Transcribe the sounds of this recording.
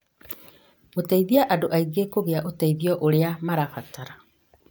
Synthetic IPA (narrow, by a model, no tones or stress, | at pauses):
otaiðiaʔadoʔaiɡekoɣeaʔotaiðiɔʔoɾeamaɾafataɾa